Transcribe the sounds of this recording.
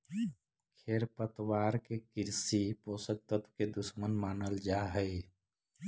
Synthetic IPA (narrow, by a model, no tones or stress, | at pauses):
kʰeːɾpət̪waːɾkekɪɾsipoːsək̚t̪ət̪ʰked̪ʊsmənmaːnəld͡ʒaɦəɪ